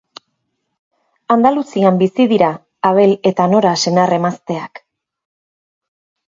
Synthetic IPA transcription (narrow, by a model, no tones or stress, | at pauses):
and̪alusiambisiðiɾaː | βe̞le̞t̪ano̞ɾase̞nare̞mast̪e̞ak